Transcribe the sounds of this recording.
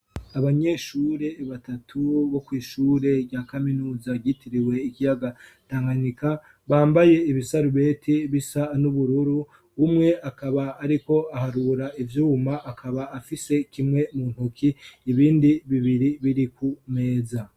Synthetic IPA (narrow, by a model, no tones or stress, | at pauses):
aβaɲe̞ːʃuːɾe̞βatatʰuβo̞kwiːʃuːɾe̞ɡjaːkaminuːzaɟitiɾiwe̞ikijaɡataːŋɡanika | βaːmbaje̞iβisaɾuβe̞ːtʰiβisanuβuɾuɾuː | mŋe̞akaβaːɾiko̞ahaɾuɾaivjuːmaʔakʰaβaːfise̞kimŋe̞mun̥hukʰiːβiːndiβiβiɾiβiɾikume̞ːza